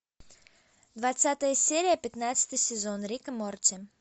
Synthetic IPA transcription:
d̪vat̪sat̪əjəsʲeɾʲɪjəpʲɪt̪nat̪sə̥t̪ɨjsʲɪzonɾʲikəmortʲɪ

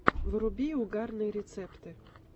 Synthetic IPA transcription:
ʋɾʊbʲijʊɡɑrnɨɾʲet̪sɛpt̪ɪ

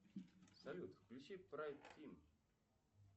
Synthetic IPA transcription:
sɐlʲut̪fklʲʉt͡ɕipɾajt̪ʲːim

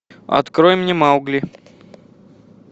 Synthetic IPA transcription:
ɐ̰t̪kɾojmnʲemawɡlʲɪ

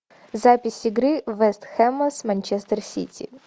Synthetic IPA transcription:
zapʲɪsʲɪɡɾɨvɛst̪xɛmɐsmɐnʲt͡ɕɛst̪ərsʲḭtʲḭ

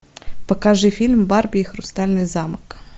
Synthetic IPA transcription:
pɔkɑʒɪfʲilʲmbɑrbʲijixɾʊst̪ɑlʲnɪjzɑmɪk

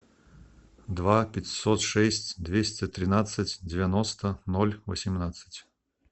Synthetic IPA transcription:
d̪vapʲɪtʲsɔt̪ʂɛsʲtʲd̪vʲesʲtʲɪt̪ɾʲɪnat̪sːɨtʲdʲɪvʲanɔst̪ənɔlʲvəsʲɪmnat̪sɨ̥tʲ

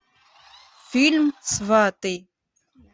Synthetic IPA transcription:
filmsvaːt̪e

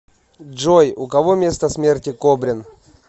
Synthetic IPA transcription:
ʐojʊkɐvomʲe̞st̪əsmʲertʲɪkobɾʲɪn

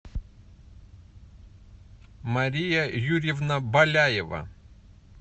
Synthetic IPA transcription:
mɐɾʲijɐjuɾʲɪvnɐbɐlʲajɪvɐ̰

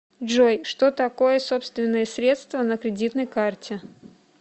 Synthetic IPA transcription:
ʐojʂt̪o̞t̪ɐko̞jəso̞pst̪vʲɪnːəjəsɾʲe̞t̪st̪vənəkɾʲɪdʲit̪nəjkartʲɪ

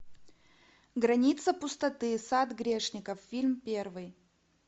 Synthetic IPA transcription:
ɡɾɐnʲit̪səpʊst̪ɐt̪ɨsad̪ɡɾʲeʂnʲɪkəffʲilʲmpʲervɨj

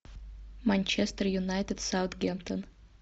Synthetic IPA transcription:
manʲt͡ʃɛst̪ərjunajt̪ɪd̪sawt̪ɡʲɛmt̪ʰən

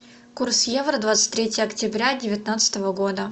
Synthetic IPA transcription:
kursjevrəd̪vat̪sɨ̥t̚ʲt̪ʲːɾʲetʲɪjəɐktʲɪbɾʲadʲɪvʲɪt̪nat̪sə̥t̪əvəɡod̪ə

